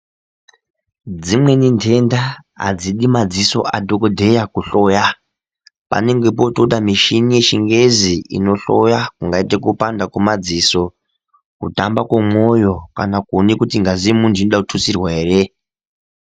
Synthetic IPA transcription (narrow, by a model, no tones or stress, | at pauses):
d͡zimwe̞nintʰe̞ndaɦa̰d͡ziɗimad͡ziso̞̰ʔa̰dʱokodʱe̞jakuɬo̞ja | pa̰ne̞ŋɡe̞p̬o̞toɗamiʃinijeʃiŋɡe̞ziḭno̞ɬojakuŋɡaitekupandakomad͡ziso̞ | kutambakwomojo̞kanakunikutiŋɡaziimundinoɗakutʰusirwaɦeːre